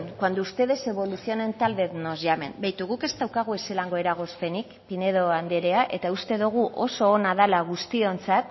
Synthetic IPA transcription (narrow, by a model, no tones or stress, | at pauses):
kwand̪uust̪e̞ðe̞se̞βo̞luθio̞ne̞nt̪alβe̞ðnozʝame̞̰nbajt̪uɣuke̞st̪awkaɣ̞ue̞se̞laŋɡo̞e̞ɾaɣ̞o̞spe̞nikpine̞ðo̞and̪eɾeaʔe̞t̪aust̪e̞ðuɣ̞uʔo̞so̞ːnaðalaɣ̞ust̪io̞nt͡sat̪